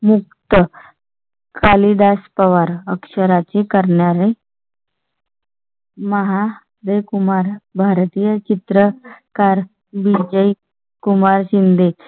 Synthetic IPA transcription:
muk̚t̪ə | kʰalid̪aspəʋaɾəkʂəɾat͡sekəɾɳjaɾe | məɦa | d̪ejkumaɾbʱaɾt̪ijət͡ɕit̪ɾəkaɾ | bid͡ʑəj | kumaɾɕind̪ʱe

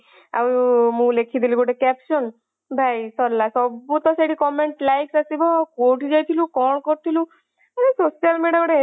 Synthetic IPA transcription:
a̰wmũlekʰid̪iliboɖekɛpsɔn | bʱajsɔlːasɔbut̪ɔseɽikɔmeɳʈlajksasibɔkoʈid͡ʒajt̪ʰilukɔɽ̃kɔɾt̪ʰilu | aɾesosijalmeɖiaɡɔɽe

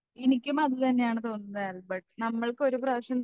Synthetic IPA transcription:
enikʲːumɐðɨt̪ɐnːe̞jaːɳɨt̪o̞ːnːunːɐðaːɾlbɐʈːnɐmːɐɭko̞ɾubraːʂɐn

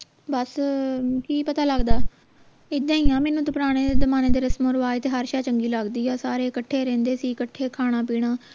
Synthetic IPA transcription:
bəs | kiːpət̪aːləɡd̪aː | ɪd̪ãːĩːãːmɛ̃ːnũːt̪ʊpɾaːɽ̃eːd̪eːd̪əmaːneːd̪eːɾəsmõːɾʋaːjt̪eːɦaɾʃaːt͡ʃəŋɡiːləɡd̪iːɛːsaːɾeːkəʈʰːeːɾɛ̃ːnd̪eːsiːkəʈʰːeːkʰaːɽ̃ãːpiːɽ̃aː

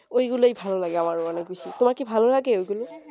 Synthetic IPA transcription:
ojɡulejbʱalɔlaɡɛamaɹʊanɛkbisitʊmakibʱalɔlaɡɛojɡulʊ

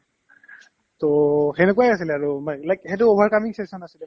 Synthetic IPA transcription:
tohɛnekuajasilɛaɹumalajkhɛtuobʱaɹkamiŋsesɔnasilɛ

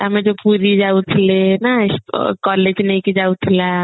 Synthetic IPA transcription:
amed͡ʒopuɾid͡ʒaut̪ʰilenaskɔled͡ʒnɛiked͡ʒaut̪ʰila

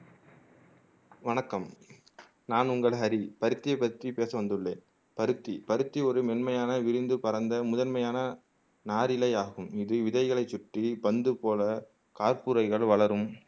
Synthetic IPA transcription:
ʋɐnɐkːɐm | naːnʊŋɡɐɭɦɐɾipɐɾɯt̪ːɪjɐɪpːɐɾt̪ripeːsɐʋɐnd̪ɯɭːeːn | pɐɾɯt̪ːipɐɾɯt̪ːiɔɾɯmɛnmɐjaːnɐʋɪɾɪnd̪ɯpɐɾɐnd̪ɐmʊðɐnmɐjaːnɐ | naːɾɪlɐɪaːɣɯmɪðɯʋɪðɐɪɣɐɭɐɪt͡ʃːʊʈripɐnd̪ɯpoːlɐ | kaːɾpuɾɐɪɣɐɭʋɐɭɐɾɯm

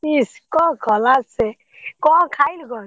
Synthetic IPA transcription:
iskɔ̃ɡɔlatse | kɔ̃kʰajlɡɔ

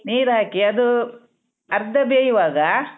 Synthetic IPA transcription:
niːɾɦaːkiɐd̪u | ɐɾd̪ʱɐbeːjiʋaːɡɐ

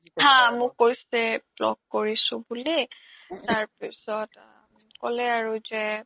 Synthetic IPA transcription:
hãmʊkkːojsɛblɔ̰kkoɹisʊ̃buli | taɹpisɔt | kɔlɛaɹuzɛ

